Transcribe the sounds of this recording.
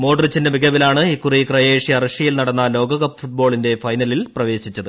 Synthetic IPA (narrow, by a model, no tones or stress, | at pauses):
mo̞ːɖɐrit͡ɕːɐndeʋiɡɐʋilaːɳɨikːurikrɐje̞ːʂiɐrɐʂijilnɐɽɐnːɐlo̞ːɡɐɣɐpːɨ̥fuʈ̚bo̞ːɭinde̞fɐjnɐlilprɐʋe̞ːɕit͡ɕːɐðɨ